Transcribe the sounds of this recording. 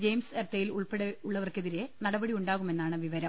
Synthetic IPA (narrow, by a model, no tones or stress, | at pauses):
d͡ʑejmsert̪ːejiluɭpeɽeuɭːɐʋɐrke̞ðiɾenɐɽɐbɐɽiuɳɖaːɣume̞nːaːɳɨʋiʋɐɾɐm